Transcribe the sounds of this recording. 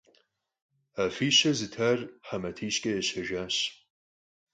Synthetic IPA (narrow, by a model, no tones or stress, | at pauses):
afiːɕɐzɨtʰaːrħɐmɐtʰiːɕkʼɐjɛɕɐʒʷᶣaːɕ